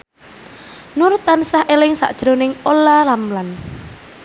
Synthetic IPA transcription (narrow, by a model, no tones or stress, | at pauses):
nuɾut̪ansahʔelɪŋsa̰ʔd̥ʒ̥ɾonɪŋolalamlan